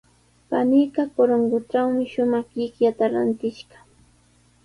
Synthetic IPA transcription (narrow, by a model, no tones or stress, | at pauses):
panijkɑkoɾoŋɢʊʈ͡ʂawmɪʃʊmɑχjɪkjat̪aɾant̪ɪʃɢɑ̥